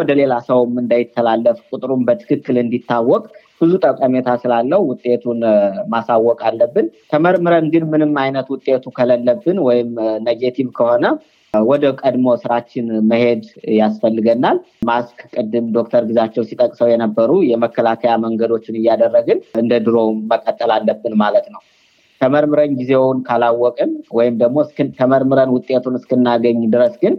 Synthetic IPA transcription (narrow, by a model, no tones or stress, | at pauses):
wɔd̪əle̞lasəwmɨnd̪əjɪt̪ʰːəlalːəfkʷʼut̪ʼɨɾumbət̪ʰɨ̥kʰɨkːɨlɨnd̪it̪ːawːɔkʼ | b̥ɨzut̪ʼəkʼəmet̪ʰasɨlalːəhuwʊt̪ʼːe̞t̪ʰunmasawːɔkʼalːəbːɨnt̪ʰəməɾmɨɾənɡɨnmɨnɨmːajnət̪wʊt̪ʼːe̞t̪ʰukʰələlːəbːɨnwɔjɪmnəɡet̪ʰiβkʰəho̞nə | wɔd̪əkʼəd̪mo̞sɨɾat͡ʃːɪnməhe̞d̪jasfəlːɨɡənːal | maskkʼɨd̪ːɨmd̪o̞k̚t̪ʰəɾɡɨzat͡ʃːɛwsit̪ʼəkʼsəwjɛnəbːəɾujɛməkːəlakʰəjaməŋɡəd̪o̞t͡ʃːɪnɨjːad̪ərːəɡɨnɨnd̪əd̪ɨɾo̞məkʼət̪ʼːəlalːəbːɨnmalət̪nəw | t̪ʰəməɾmɨɾəɲɡize̞wnkʰalawːɔkʼɨnwɔjɪmd̪əɡmo̞skt̪ʰəməɾmɨɾənwʊt̪ʼːe̞t̪ʰunɨskɨnːaɡəɲːud̪ɨɾəsɡɨn